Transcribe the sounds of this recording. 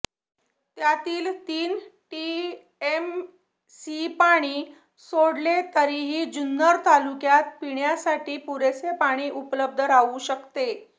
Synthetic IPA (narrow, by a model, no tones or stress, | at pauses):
t̪jat̪iːlt̪iːnʈi | em | sipaɽ̃iː | soɽlet̪əɾiɦiːd͡ʑunːəɾt̪alukjat̪̚piɳjasaʈiːpuɾesepaɽ̃iːʔupləb̚d̪ʱəɾauɕəkt̪e